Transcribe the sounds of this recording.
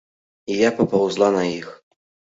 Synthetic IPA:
ijapɐpawzlˠanɐix

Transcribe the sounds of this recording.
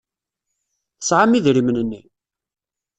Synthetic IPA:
θəsʕamiðɾimnənːi

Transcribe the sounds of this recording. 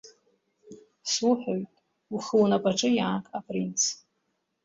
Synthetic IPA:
swʊħʷᶣojtʼ | uχəlnapʼaʈ͡ʂʼɨjaːkʼapʼrint͡sʰ

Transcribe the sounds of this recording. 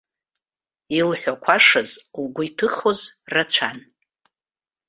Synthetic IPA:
ilħʷᶣakʷʰaʂazuɡʷʊjtʰɨχozrat͡ɕʷʰan

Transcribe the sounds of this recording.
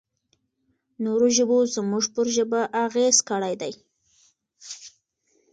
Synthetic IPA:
noɾoʒəbozəmuʐpəɾʒəbaʔaɣez̥kəɽajd̪aj

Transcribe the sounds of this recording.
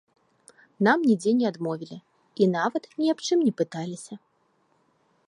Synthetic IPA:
namnʲid͡zʲenʲɛad̪mɔvʲilʲi | inavɐt̪nʲiapt͡ʂɨmnʲɛpɨt̪alʲisʲɐ

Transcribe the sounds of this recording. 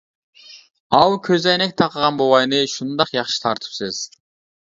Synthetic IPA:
ɑlˠkʲʰøzɑjnek̚t̪ʰɑqəʁɑnbowɑjnɯʃund̪ɑqjɑχʃɯ̥t̪ʰɑɾt̪ʰɯ̥psez̥

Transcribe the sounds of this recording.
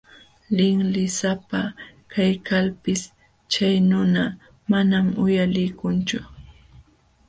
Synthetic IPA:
lɪŋlɪsapakajkalpɪs | t͡ʃajnʊna | manamʊjalɪjkʊnt͡ʃʊ

